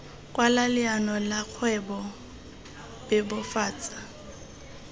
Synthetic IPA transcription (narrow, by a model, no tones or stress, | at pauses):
kʼwalalɪanɔlaq͡χʰwɛbɔ | bɛbʊfaːt͡sʼḁ